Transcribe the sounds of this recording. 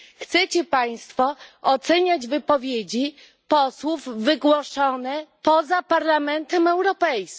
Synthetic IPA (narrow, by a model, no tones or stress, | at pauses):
xt̪sɛt͡ɕɛpaj̃st̪fɔɔt̪sɛɲad͡ʑvɘpɔvʲjed͡ʑi | pɔswuvːɘɡwɔʂɔnɛpɔzapaɾlamɛnt̪ɛmɛwɾɔpɛjskʲ